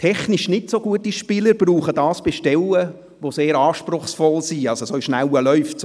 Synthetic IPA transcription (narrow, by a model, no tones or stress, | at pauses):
tʰɛχniʃnɪtsoɡuətiʃpɪːləɾb̥ruːχədɑːsb̥eʃtɛlə | ʋoseːɾɑːʃpɾʊχsfɔlsiɑlsosoɪʃnæwəlœʏfts